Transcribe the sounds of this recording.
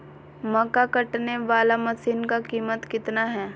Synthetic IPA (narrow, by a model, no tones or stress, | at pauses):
mɐkakɐʈneʋaːlamɐsiːnkakiːmət̪kɪt̪naɦɛː